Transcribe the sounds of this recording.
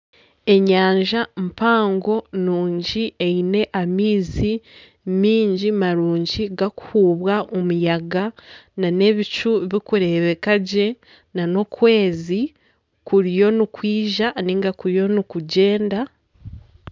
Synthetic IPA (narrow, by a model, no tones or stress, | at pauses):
e̞ɲaːɲʒampaːŋɡo̞nuːɲɟiʔeine̞ʔamiːzi | miːɲɟimaɾuːɲɟiɡaku̥huːβwaʔomujaɡanane̞βit͡ʃuβikuɾe̞βe̞kaɟe̞ | nano̞kwe̞ːzi | kuɾijo̞nikwiːʒaniːŋɡakuɾijo̞nikuɟe̞ːnda